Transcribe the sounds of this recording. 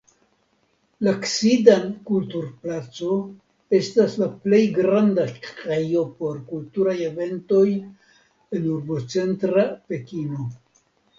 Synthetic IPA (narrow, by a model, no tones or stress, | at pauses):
laksidankultuɾplat͡so̞ | e̞staslaple̞jɡɾandakɾejo̞po̞ɾkultuɾajeve̞nto̞j | enuɾbo̞t͡se̞ntɾape̞kino̞